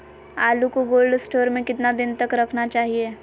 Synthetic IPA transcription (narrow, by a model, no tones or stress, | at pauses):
aːlukoɡoːlɖsʈoːɾmẽkɪt̪nad̪ɪnt̪əkɾɐkʰnat͡ʃaːɦie